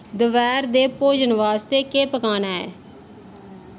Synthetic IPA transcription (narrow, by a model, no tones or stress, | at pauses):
d̪əʋɛːɾd̪eːpoːd͡ʒənʋaːst̪eːkeːpəkaːnaːɛ̰ː